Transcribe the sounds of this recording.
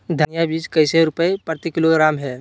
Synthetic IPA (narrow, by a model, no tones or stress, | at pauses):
d̪ʱənɪjabiːd͡ʒkəɪseɾʊpəepəɾt̪ɪkɪloɡɾaːmɦɛː